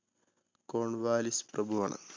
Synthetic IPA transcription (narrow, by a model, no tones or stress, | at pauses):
koːɳʋaːlisprɐbʱuʋɐɳɨ̰